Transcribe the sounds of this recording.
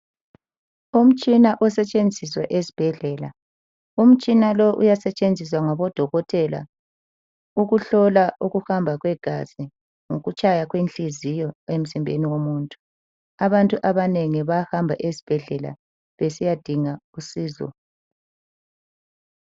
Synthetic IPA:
um̩t͡ʃʼinaʔɔsɛt͡ʃʼend͡zʱiswaʔezib̥ʱɛɮɛla̰ | um̩t͡ʃʼinalɔʔṵjasɛt͡ʃʼend͡zʱiswaŋɔβɔd̥ʱɔɣɔtʰɛla̰ | uɣuɬɔlaʔuɣuhambʱaɣwɛɡ̥ʱa̰zi | ŋoɣut͡ʃʼajaɣwent͡ɬizijɔem̩zimbʱḛniɣomuːntʼu̥ | aβantʼuʔaβaneŋiβahambʱa̰ʔezib̥ʱɛɮɛla̰ | βesijad̥ʱiŋausiːzɔ̰

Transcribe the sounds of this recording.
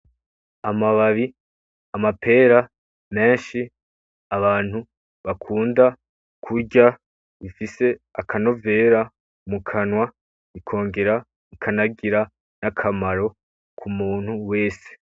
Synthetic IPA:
amaβaβi | amapʰe̞ːɾa | me̞ːnʃi | aβaːn̥hu | βakʰuːnda | kʰuɟa | ifise̞akʰano̞ve̞ːɾa | mukʰanwa | ikʰo̞ːŋɡe̞ɾa | ikʰanaɡiɾa | nakʰamaɾo̞ | kʰumuːn̥huwe̞ːse̥

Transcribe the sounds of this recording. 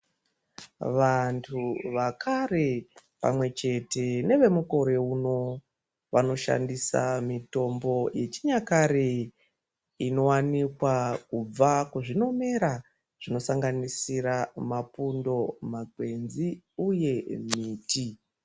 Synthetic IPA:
ʋantʰuʋakʰare̞pa̰mwe̞t͡ʃe̞te̞ne̞ʋe̞muko̞ɾe̞uno̞ | ʋano̞ʃa̰ndisa̰mito̞mbo̞je̞t͡ʃi̥ɲakaɾe | ino̞wanikwakub͡vakuʐino̞me̞ɾa | ʐ̥ino̞saŋɡanisiɾamapundo̞maɡwe̞nziuje̞miːti

